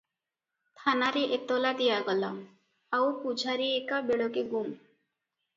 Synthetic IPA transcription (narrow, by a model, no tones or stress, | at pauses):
t̪ʰanaɾeʔet̪ɔlad̪ijaɡɔla | awpud͡ʒʱaɾiekabeɭɔkeɡum